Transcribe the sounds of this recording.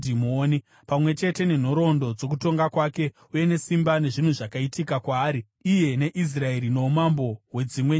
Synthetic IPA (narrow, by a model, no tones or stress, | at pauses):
dimoni | pamwe̞t͡ʃe̞te̞ne̞n̤o̞ɾo̞ndo̞d͡zo̞k̬uto̞ŋɡakwake̞ | uje̞ne̞simbane̞ʐin̤uʐakaitikakwaːɾi | ije̞ne̞ʔis̬rae̞ɾino̞umambo̞we̞d͡zimwe